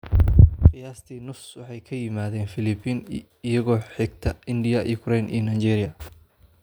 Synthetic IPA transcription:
qɪjaːst̪ʰiːnʊfswɑħɑjkʰɐjɪmaːðɛːnfɪlɪbiːn | ɪjɐɣɔːħɪɡ̚t̪ʰɐɪndɪjɐʔḭkʰʊɾɛjnʔḭːnɐːt͡ʃɛːɾɪjɐ

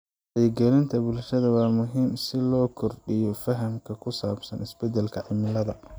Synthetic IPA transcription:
ħɐjɛɡɛlɪnt̪ʰɐbʊlʃɐðɐwɑːmʊɦiːmsɪlɔːkʰɔrɖɪjɔfɐɦɐmkʰɐkʰʊsaːbsɐnɪsbɛd̪ɛlkʰɐʕɪmɪlɐðɐ

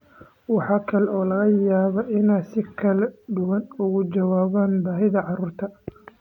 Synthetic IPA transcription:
wɑħɑːkʰɐlɛɔːlɐɣɐjaːβɐʔɪnaːsɪkʰɐlɛd̪ʊwɐnʊɣʊd͡ʒɐwaːβaːnbaːɦɪðɐʕɑruːrt̪ʰɐ

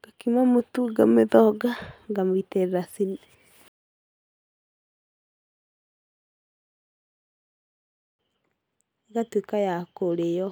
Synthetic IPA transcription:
ɡ̥akimamotuɡameðɔɡaŋɡamoiteɾɾasine | eɣatwekajakoɾejɔ

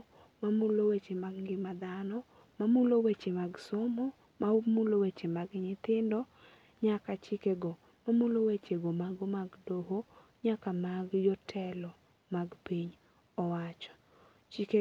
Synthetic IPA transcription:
mamulowet͡ʃemaɡŋɡɪmad̪anɔ | mamulowet͡ʃemaɡsɔmɔ | mamulowet͡ʃemaɡɲɪt̪ɪndɔ | ɲakat͡ʃɪkeɡɔ | mamulowet͡ʃeɡomaɡomaɡdoɦo | ɲakamaɡjɔtʰɛlɔ | maɡpiɲ | ɔwat͡ʃɔ̥ | t͡ʃike

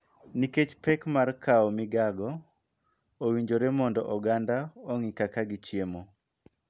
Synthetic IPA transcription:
niket͡ʃpɛkmarkaɔmɪɡaɡɔ | owiɲd͡ʒoɾemɔndɔʔɔɡandaoŋikakaɡit͡ʃjemo

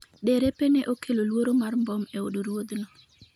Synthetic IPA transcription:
ɗeɾepeneʔokʰelolwoɾomarmbɔmeoduɾwod̪nɔ

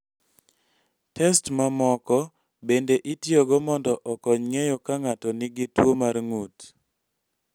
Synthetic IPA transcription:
tɛstmamɔkɔ | bendeʔitjoɡɔmɔndɔʔɔkɔɲŋejɔkaŋatɔnɪɡɪtwomarŋut

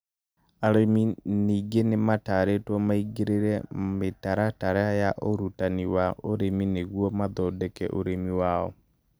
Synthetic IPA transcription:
aɾeminiːɡenemataɾetwɔmaiɡeɾeɾɛmetaɾataɾajaʔoɾutaniwaoɾemineɣwɔmaðɔdɛkɛ̰ʔoɾemiwaɔ̰

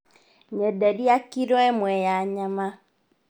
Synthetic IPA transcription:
ɲɛdadiakiɾwɛmwɛjaɲama

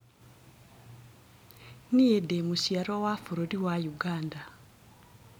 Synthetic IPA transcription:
niedemusiaɾowafuɾoɾiwajuɡaːnda

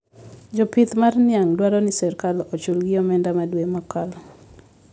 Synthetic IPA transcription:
d͡ʒɔpit̪marnɪaŋdwaɾɔnɪsɛɾkalɔt͡ʃulɡɪɔmɛndamadwemakal

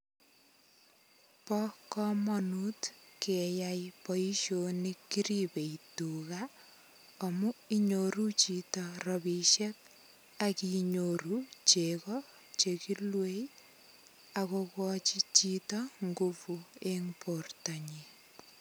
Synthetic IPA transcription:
pɔkɔmɔnutkejajpɔiʃonikːiɾipeituka | ɔmuiɲoɾut͡ʃitɔrɔbiʃek̚ | akiɲoɾut͡ʃekɔ | t͡ʃekilwej | akokɔt͡ʃit͡ʃitɔŋɡupueŋportaɲi

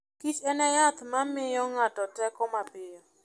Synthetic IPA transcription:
kit͡ʃɛnɛjat̪mamɪjɔŋatɔtɛkɔmapɪjɔ

